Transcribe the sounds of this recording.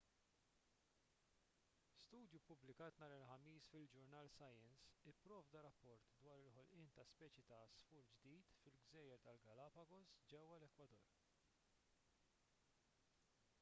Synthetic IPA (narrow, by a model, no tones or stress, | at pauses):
st̪uːd̪jupʊblɪkɐːt̪nɐːɾɪlħɐmiːsfɪld͡ʒʊɾnɐːlsɐjɛnsɪpːɾɔːvd̪ɐɾɐpːɔɾt̪d̪wɐːɾɪlħɔlʔɪːnt̪ɐspɛːt͡ʃjit̪ɐsfʊːɾd͡ʒd̪iːt̪fɪlɡzɛːjɛɾt̪ɐlɡɐlɐpɐɡɔsd͡ʒɛwːɐlɛkwɐd̪ɔ̰ɾ